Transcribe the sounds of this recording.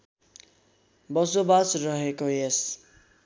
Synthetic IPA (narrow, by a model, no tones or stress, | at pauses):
bʌsobasrʌɦekoes